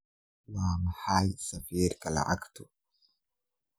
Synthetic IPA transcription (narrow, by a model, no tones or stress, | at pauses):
waːmɐħaːjsɐfiːɾkʼɐlɐ̰ʔa̰kt̪ʊ